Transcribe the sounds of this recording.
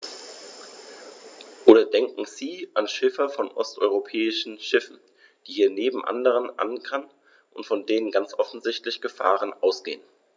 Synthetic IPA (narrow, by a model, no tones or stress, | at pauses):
ʔoːdɐdɛŋkŋ̩ziːʔanʃɪfɐfɔnʔɔ̰stʔɔ̰ʏʁopʰɛːɪʃn̩ʃɪfn̩ | d̥iːhiːɐneːbm̩ʔa̰ndəʁ̞ənʔa̰nkʰan | ʔʊntfɔndeːnənɡant͡sʔɔfn̩zɪçtlɪçɡ̥əfa̰ːʁ̞ənʔaʊsɡ̥ḛːən